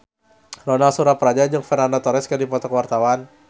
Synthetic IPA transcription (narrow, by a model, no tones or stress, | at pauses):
rɔnalsuɾapəɾad͡ʒad͡ʒɨŋfɛnandat̪ɔɾɛskədipɔt̪ɔkəwart̪awan